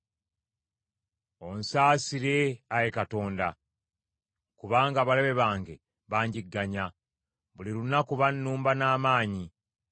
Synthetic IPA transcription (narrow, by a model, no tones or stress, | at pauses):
o̞nsaːsiɾe̞ajekato̞ːnda | kuβaːŋɡaːβaleβe̞βaːŋɡe | βaːɲɟiɡːaɲa | βuliɾunːakuβanːuːmbanaːmaːɲi